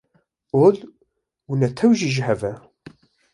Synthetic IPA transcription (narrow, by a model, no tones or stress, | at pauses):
ʊl | wənæt̪ʰːæwʒiʒɦævæ